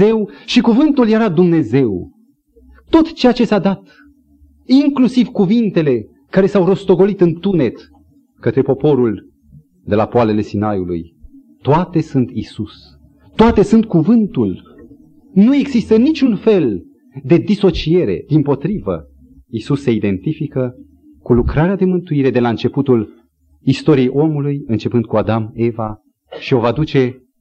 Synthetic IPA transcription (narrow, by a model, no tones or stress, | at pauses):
e̞wʃikuvɨnt̪ulje̞ɾad̪umne̞ze̞w | t̪ːo̞t̪t͡ʃe̞jat͡ʃe̞sad̪at̪ | iŋklusivkuvint̪e̞le̞ | kaɾe̞sawro̞st̪o̞ɡo̞lit̪ɨnt̪une̞t̪ | kət̪ɾe̞po̞po̞ɾul | d̪e̞lapoale̞le̞sinajulṵj | t̪oat̪e̞sunt̪isus | t̪oat̪e̞sunt̪̚kuvɨnt̪ul | nue̞ɡzist̪ənit͡ʃunfe̞l | d̪e̞d̪iso̞t͡ʃie̞ɾe̞̰d̪impo̞t̪ɾivə | isusːe̞id̪e̞nt̪ifikə | kulukɾaɾead̪e̞mɨnt̪uiɾe̞d̪e̞laɨnt͡ʃe̞put̪ul | ist̪o̞ɾijejʔo̞mulujɨnt͡ʃe̞pɨnd̪̚kuad̪ame̞va | ʃio̞vad̪ut͡ʃe̞